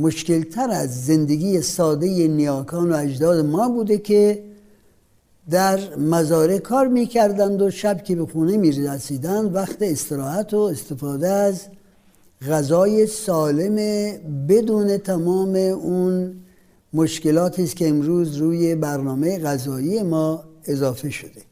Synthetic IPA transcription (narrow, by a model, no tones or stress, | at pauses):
moʃke̞lt̪ʰæɾæzːe̞nd̪eɡʲiːjesɒːd̪e̞jenijɒːkʰɒːnoæd͡ʒd̪ɒːd̪emɒːbuːd̪e̞kʰʲe | d̪æɾmæzɒːɾekʰɒːɾmiːkʰæɾd̪ænd̪o̞ʃæbkʰʲebe̞xuːne̞miːɾæsiːd̪ænd̪væxt̪eːst̪eɾɒːhæt̪ʰoest̪e̞fɑːd̪eæz | ɣæzɒːje̞sɒːle̞mebe̞d̪uːne̞t̪ʰæmɒːme̞un | moʃkelɒːt̪ʰiːskʲeːmɾuːzɾuːje̞bæɾnɒːmejeɣæzɒːije̞mɒːe̞zɒːfe̞ʃod̪e